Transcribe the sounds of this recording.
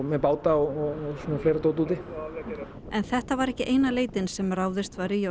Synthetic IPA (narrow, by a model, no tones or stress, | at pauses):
mɛpaːwt̪aɔɔsuːnafleːjɾat̪oːwt̪uːt̪ɪ | ɛnθɛht̪avaɾɛhcɪʔejnaleːjt̪ɪnsɛmraːwðɪst̪vaɾijo